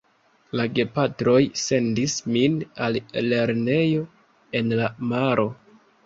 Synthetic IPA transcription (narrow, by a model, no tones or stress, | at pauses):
laɡe̞patɾo̞jse̞ndisminalle̞ɾne̞jo̞ | e̞nlamaɾʔo̞